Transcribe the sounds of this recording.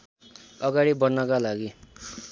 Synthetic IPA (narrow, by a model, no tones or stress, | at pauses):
ʌɡaɽibʌrnʌkalaɡi